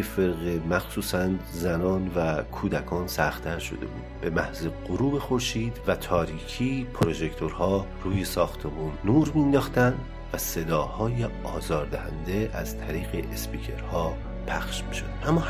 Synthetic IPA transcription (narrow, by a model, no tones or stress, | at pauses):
efeɾɣemæxsuːsænzænɒːnvækʰuːd̪ækʰɒːnsæxt̪ʰæɾʃo̞̰d̪e̞̰bṵːd̪̥be̞mæhzeɢoɾuːbexo̞ɾʃiːd̪̥væt̪ʰɒːɾiːcʰiːpʰoɾo̞ʒekt̪ʰo̞ɾhɒːruːjesɒːxt̪ʰe̞muːnːuːɾmind̪ɒːxt̪ænd̪ | væse̞d̪ɒːhɒːjeɒːzɒːɾd̪æhæ̰nd̪eʔæz̥t̪ʰæɾiːɣeʔespiːcʰe̞ɾhɒː | pʰæxʃmiːʃod̪ʔæmːɒː